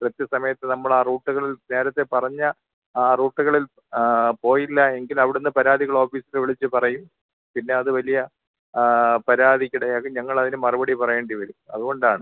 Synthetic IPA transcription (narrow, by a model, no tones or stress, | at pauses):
prɐt̪jɐsɐmɐjɐt̪ːenɐmːɐɭaːruːʈːuɣɐɭilne̞ːɾɐt̪ːe̞pɐrɐɲːɐ | aːruːʈːuɣɐɭil | po̞ːjilːɐe̞ŋɡilɐʋiɽenːɨpɐɾaːd̪ʱiɣɐɭo̞ːfiːsileʋiɭit͡ɕːɨpɐrɐjum | pinːe̞ɐðɨʋɐlijɐ | pɐɾaːd̪ʱikʲːiɽeɐkɐɲɐŋːɐɭɐðinɨmɐrubɐɽipɐrɐjeːɳɖiʋɐɾumɐ̰ðuɣo̞ɳɖaːɳɨ